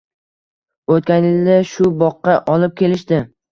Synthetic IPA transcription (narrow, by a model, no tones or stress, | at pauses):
ot̪̚kʲanjɪld̪aʃʊbɒqːɑʔɒlˠɪp̚kʲʰe̞lɪʃd̪ɪ